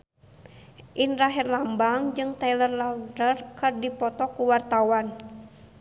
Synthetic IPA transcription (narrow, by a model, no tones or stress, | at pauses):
ʔinraɦɛrlambaŋd͡ʒɨŋt̪ajlərlawdərkɨrdipɔt̪ɔkuwart̪awan